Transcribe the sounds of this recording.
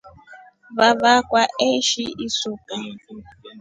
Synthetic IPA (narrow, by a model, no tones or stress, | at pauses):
βaβakwaeʃiʔisuka